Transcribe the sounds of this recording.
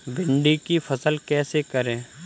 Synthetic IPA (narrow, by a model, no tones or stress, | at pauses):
bʱɪ̃ɳɖikifʰɐsəlkɛːsekəɾẽː